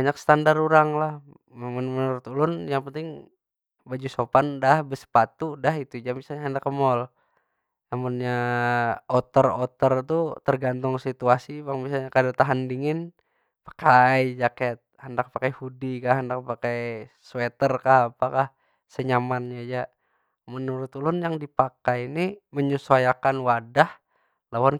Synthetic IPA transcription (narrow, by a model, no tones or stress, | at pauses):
baɲaksə̥t̪andaɾuɾaŋlah | memanmənuɾʊt̪ulʊnjaŋpənt̪ɪŋ | bad͡ʒusopandahbəsə̥pat̪udaɦit̪ud͡ʒamisalɲaɦəndakəmɔl | amunɲa | ot̪ərot̪ərt̪ut̪ərɡant̪ʊŋsit̪uasibaŋbisalɲakadat̪aɦandiŋɪn | pḁkaid͡ʒakɛt̪̚həndak̚pakajhudikaɦəndak̚pakajswet̪ərkahapakah | səɲamanɲad͡ʒa | mənuɾʊt̪ulʊnjaŋdipakajiniməɲusajakanwadah | lawan